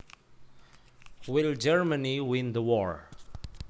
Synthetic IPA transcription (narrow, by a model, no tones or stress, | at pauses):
wɪld͡ʒɛɹməniwɪ̃nd̪əwɔɹ